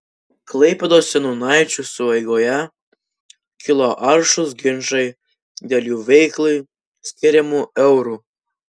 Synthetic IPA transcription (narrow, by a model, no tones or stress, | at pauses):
klˠɐɪpʲɛd̪oːssʲɛnuːnɑˑɪt͡ʃʲusʊʋɐɪɡoːjɛ | kʲɪlˠoʔɐɾʃʊs̬ɡʲɪnʒɐɪ | d̪ʲeːlʲjuːʋʲɛɪklˠɐɪ | sʲkʲɪɾʲɛmuːɛʊɾuː